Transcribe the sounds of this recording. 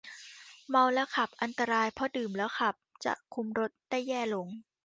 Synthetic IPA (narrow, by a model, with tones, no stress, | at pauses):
ma˧wlɛ˦˥wkʰa˨˩p̚ʔa˧nt̪a˧ɾaː˧jpʰɔ˦˥dɯː˨˩mlɛː˦˥wkʰa˨˩p̚t͡ɕa̰˨˩ʔkʰu˧mɾo˦˥t̪̚daː˥˩jːɛː˥˩lo˨˦ŋ